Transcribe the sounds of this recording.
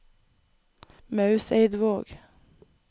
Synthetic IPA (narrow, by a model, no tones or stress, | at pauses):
mɑʉseɪd̪ʋoːɡ̥